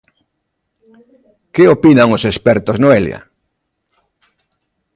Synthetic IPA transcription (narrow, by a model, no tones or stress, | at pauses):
keopinaŋʊsespɛɾt̪oznoelj̰a̰